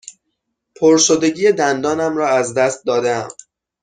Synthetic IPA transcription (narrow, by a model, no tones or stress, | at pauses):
pʰoɾʃod̪eɟiːjed̪ænd̪ɒːnæmrɒːæzd̪æst̪̚d̪ɒːd̪eæ̰m